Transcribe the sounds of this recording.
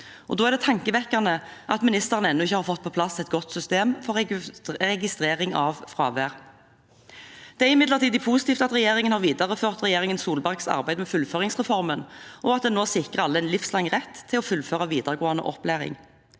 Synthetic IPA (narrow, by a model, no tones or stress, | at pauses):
ʔɔd̪oːæʁd̪ɛt̪ʰɑŋkəʋɛkːɑʁnəʔɑt̪mɪnɪst̪əʁənɛnːʊɪçːəhɑːʁfɔt̪̚ːpʰɔpʰlɑsɛt̪̚ɡɔt̪ːsʏst̪eːmfɔʁɾʁɛɡɪst̪ʁeːʁɪŋɑʋfʁɑ̰ːʋæːʁ | d̪̥ɛæʁɪmɪd̪ləʁt̪ʰiːd̪ɪpʰusɪ̥t̪iːft̪ɑt̪ʁɛjeːʁɪŋənhɑʁʋiːd̪ɑʁəføːʁt̪ʁɛjeːʁɪŋənsuːlbæʁɡsɑ̰ʁbæɪd̪mɛfʉlføːʁɪŋsʁɛfɔʁmənʔɔɑt̪̚d̪ɛnoːsɪkʁəʁɑlːəɛnlɪfslɑŋːʁɛt̪ʰːɪlɔfʉlføːʁɑʋiːd̪əʁɡoːɑnə̰ʔɔplæːʁɪ̰ŋ